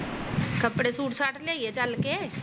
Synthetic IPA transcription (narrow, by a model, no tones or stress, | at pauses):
kɐpɽesuːʈʰsaːʈʰleːiet͡ʃalke